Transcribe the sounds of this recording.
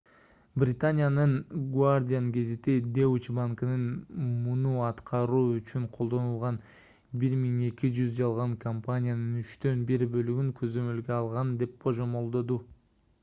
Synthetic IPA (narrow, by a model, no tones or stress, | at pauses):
brʲɪt̪anʲijanɯnɡwardʲijanɡʲe̞zet̪id̪ewt͡ʃbaŋknɯnmunuɑt̪qʰɑɾuːyt͡ʃyɴqʰo̞lˠd̪o̞nulˠʁɑn | biɾmiŋe̞kid͡ʒyzd͡ʒɑlˠʁɑŋkʰɐmpanʲijanɯnyt͡ʃt̪ø̞nbiɾbø̞lyɡyŋkʰø̞zø̞mø̞lɡeɑlˠʁɑnd̪e̞p̚bʰo̞ʒomo̞lˠd̪o̞d̪u